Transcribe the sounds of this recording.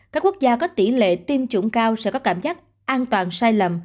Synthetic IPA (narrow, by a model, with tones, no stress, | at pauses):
ka˦˥kːu˦˥ək̚zaː˧kɔ˨˦t̪i˧˩lḛ˧˨t̪i˧mt͡ɕṵ˧˩˦ŋ͡mkaː˧wsɛ̰˧˥kɔ˨˦˥kaː˧˩mzaː˦˥k̚ | ʔaː˧nt̪waː˨˩nsaː˧jlə˨˩m